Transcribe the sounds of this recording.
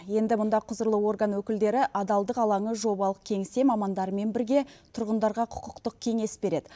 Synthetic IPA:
je̞nd̪ɪmʊnd̪ɑqʰʊzəɾlˠəwo̞rɡanwɵkʲɪld̪e̞ɾɪʔɑd̪ɑlˠd̪əqɑlˠɑɴəʒo̞bɑlˠəq̚kʲʰe̞ŋst̪e̞mɑmɑnd̪ɑɾəme̞nbɪɾɡʲe̞t̪ʰʊɾʁənd̪ɑɾʁɑqʰʊ̥qəqt̪əq̚kʲʰe̞ŋe̞sbe̞ɾe̞d̪ɪ

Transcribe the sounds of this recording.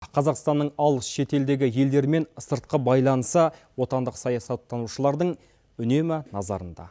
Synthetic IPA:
qʰɑzɑqst̪ɑnːəɴɑlˠəsʃe̞t̪e̞ld̪e̞ɡʲɪje̞ld̪e̞ɾme̞nsəɾt̪̚qəbɑjlˠɑnəsəwo̞t̪ɑnd̪əqsɑjɑsɑt̪ːɑnuʃəlˠɑɾd̪əɴ | ʏne̞mɪnɑzɑ̰ɾənd̪ɑ̰

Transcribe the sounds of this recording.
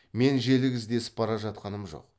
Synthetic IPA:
me̞nʒe̞lɪɡʲɪzd̪e̞sɪ̥pːɑɾɑʒɑt̪̚qɑnəmʒo̰q̚

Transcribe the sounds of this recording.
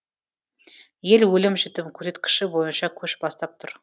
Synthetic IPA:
je̞lwɵlɪmʒɪt̪ɪpkʲʰɵɾe̞t̪kʲʰɪ̥ʃɪbo̞jənʃɑkʲʰɵʃbɑst̪ɑp̚t̪ʰʊɾ

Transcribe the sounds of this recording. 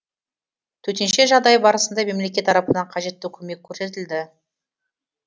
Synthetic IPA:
t̪ʰɵt̪enʃe̞ʒɑʁd̪ɑjbɑɾəsənd̪ɑme̞mle̞kʲe̞t̪ːʰɑɾɑpənɑɴqʰɑʒe̞t̪ːɪkʲʰɵme̞kʲʰːɵɾse̞t̪ɪld̪ɪ

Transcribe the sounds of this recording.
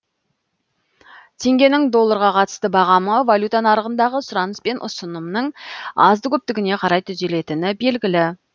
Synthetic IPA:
t̪ʰe̞ŋɡʲe̞nɪŋd̪o̞lˠːəɾʁɑqʰɑt̪ə̥st̪əbɑʁɑməvalʲjut̪anɑɾəʁənd̪ɑʁəsʊɾɑnəspe̞nʔʊ̰sənəmnəɴɑzd̪əkʲʰɵp̚t̪ɪɡʲɪne̞qʰɑɾɑjt̪ʰʏzd̪e̞le̞t̪ɪnɪbe̞lɡʲɪlɪ

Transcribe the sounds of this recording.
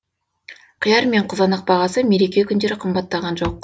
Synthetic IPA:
qʰəjɑɾme̞ɴqʰʊzɑnəq̚bɑʁɑsəme̞ɾe̞kʲe̞kʲʰʏnd̪e̞ɾɪqʰəmbɑt̪ːɑʁɑnʒo̞q̚

